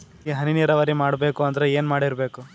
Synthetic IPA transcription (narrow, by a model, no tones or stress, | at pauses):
ɦɐniniːɾɐʋɐɾimaːɽbe̞ːkuɐnd̪ɐɾeeːnmaːɽiɾbe̞ːku